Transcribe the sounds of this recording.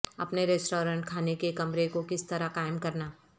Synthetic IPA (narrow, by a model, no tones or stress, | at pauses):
ɐpneɾɪsʈoːɾə̃ɳʈ̚kʰaːnekekɐmɾekokɪst̪ɐɾakaːɪmkɐɾnaː